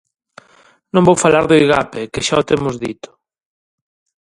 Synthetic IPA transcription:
nõmbowfalaɾðʊiɣapekɪʃaot̪emʊzðit̪ʊ̥

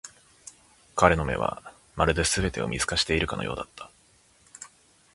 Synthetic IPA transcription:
kaɾe̞no̞me̞̰βa̰ | maɾɯ̟d̪e̞sɨbe̞t̪e̞o̞̰mʲizɨ̥kaɕi̥t̪e̞iɾɯ̟kanojo̞̰ːd̪at̪ːḁ

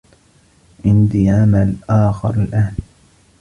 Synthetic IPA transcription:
ʔɪnd̪iːʕamalʔaːxɑ̰ɾˤalʔaːn

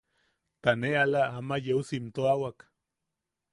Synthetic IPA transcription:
t̪anealaamajeusimt̪oawak

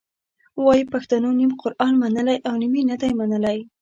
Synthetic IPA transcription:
wɑjipaxt̪anonimqʊɾʔɑnmanəlajʔawniminad̪ajmanəlaj

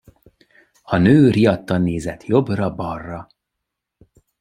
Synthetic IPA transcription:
ɒnøːriɒt̪ːɒnːeːzɛt̪jo̞brɒbɒrːɒ

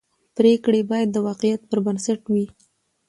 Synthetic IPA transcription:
pɾekɽebɑjad̪ːəwɑqɪjat̪̚pəɾbansaʈwi

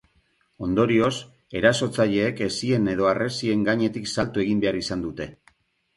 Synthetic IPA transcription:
o̞nd̪o̞ɾio̞s | e̞ɾaso̞t͡saʎe̞ːke̞sie̞ne̞ð̞o̞are̞sie̞ŋɡaɲe̞t̪iksalt̪ue̞ɣimbe̞aɾisand̪ut̪e̞

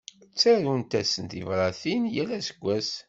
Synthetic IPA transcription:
t͡sːæɾunt̪æsənt̪ivɾˤɑθinjælːæsə̥ɡʷːæs

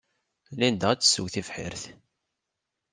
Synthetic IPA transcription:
lind̪əʁæt͡sːsuwθifħɪ̰ɾθ

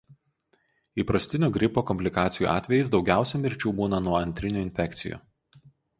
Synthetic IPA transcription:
iːpɾɐsʲt̪ʲɪnʲuːɡɾʲɪpoːkɔmʲpʲlʲɪkɑːt̪sʲɪjṵʔɑ̰ːt̪ʲʋʲɛjɛɪs̬d̪ɒʊɡʲæˑʊsʲɛmʲɪɾʲt͡ʃʲuːbuːnɐnuɔɐnʲt̪ʲɾʲɪnʲuːɪnʲfʲɛkt̪sʲɪ̰jṵː

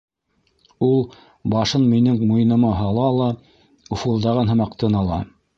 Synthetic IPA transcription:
ulˠ | bɑʃɤnminɘŋmuj̆nɤ̆mɑɦɑlˠɑlˠɑ | ufulˠd̪ɑʁɤnɦɤ̆mɑqt̪ɤnɑlˠɑ̰

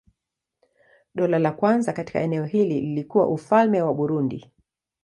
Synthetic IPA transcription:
ɗɔlalakwanzakati̥ka̰ɛnɛɔhilililikuwa̰ʔufalmɛwaɓuɾundḭ

